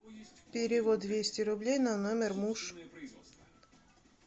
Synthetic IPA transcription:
pʲɪɾʲɪvod̪vʲesʲtʲɪɾʊblʲejnanomʲɪrmuʂ

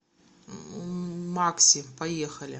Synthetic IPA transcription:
maksʲɪpɐjexɐlʲɪ̰

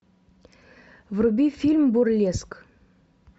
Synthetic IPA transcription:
vrubʲifʲilʲmburlʲesk

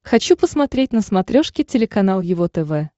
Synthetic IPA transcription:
xɐt͡ɕupəsmɐt̪ɾʲetʲnəsmɐt̪ɾʲoʂkʲɪtʲɪlʲɪkɐnalˠjɪvot̪ɛvɛ

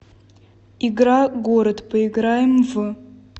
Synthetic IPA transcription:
ɪɡɾaɡoɾət̪pəɪɡɾajɪmvɨ

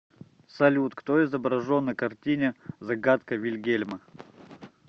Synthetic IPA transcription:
sɐlʲut̪kt̪oɪzəbɾɐʐonːəkɐrtʲinʲəzɐɡat̪kəvʲɪlʲɡʲelʲmə

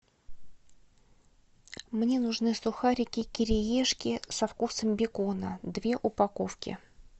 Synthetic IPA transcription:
mnʲe̞nʊʐnɨsʊxaɾʲɪkʲɪkʲɪɾʲɪjeʂkʲɪsɐfkusəmbʲɪkonəd̪vʲe̞ʔʊpɐkofkʲɪ̰

